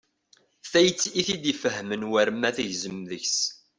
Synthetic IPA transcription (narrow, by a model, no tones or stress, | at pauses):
θæjət͡sːiθid̪ifəɦmənwæɾmæθʝzəmðəçs